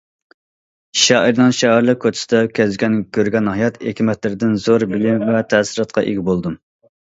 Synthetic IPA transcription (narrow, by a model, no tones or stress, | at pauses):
ʃɑʔiɾnɨŋʃɑæɾlˠɨkkʰːot͡ʃ̪ʰɪ̥sd̪ɛkʲʰɛzɡʲɛnkʲøɾɡʲɛnhɑjɑt̪ekʲʰimɛt̪lɪɾɪd̪ɪnzoɾbɪlɪmvɛt̪ʰɛsɨɾɑt̪̚qʰɑʔḛɡʲibolˠd̪ɨm